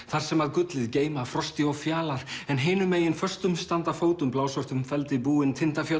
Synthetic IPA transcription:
θaɾ̥sɛmaðkʏt̪lɪðceːjmafɾɔst̪ɪɔfjaːlaɾ̥ɛnɦeːnʏmeːjɪnfœr̥st̪ʏmst̪ant̪afoːwt̪ʏmplaːwsɔr̥t̪ʏmfɛlt̪ɪpuːɪnt̪ʰɪnt̪afjœ

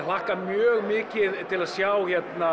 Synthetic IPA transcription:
l̥ahkamjœːɣmɪːcɪðt̪ʰɪlaðsjaːwçɛt̪na

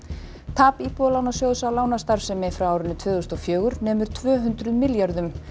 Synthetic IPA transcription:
t̪ʰaːpipɔlawnasjowðsawlaːwnast̪aɾ̥sɛmɛfɾawaːwɾɪnːʏt̪ʰvœːðɣʏst̪ɔfjœːɣʏɾnɛːmʏɾ̥t̪ʰvœːɦʏnt̪ɾʏðmɪljaɾðʏm

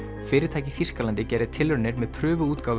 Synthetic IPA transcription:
fɪːɾɪɾt̪ʰaːjcɪfiskalant̪ɪcɛːɾɪðt̪ʰɪlːʏɾnɪɾmɛðpʰɾʏːvʏuːt̪kaːwv

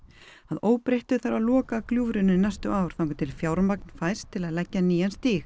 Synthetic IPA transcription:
aðoːwpɾejht̪ʏθaɾalɔːkakljuːvɾʏnːʏnajst̪ʏʔaːwɾ̥θawŋkʏt̪ʰɪlfjaːwɾmakn̥fajst̪ʰːɪlaðlɛcːaniːjanst̪iːx

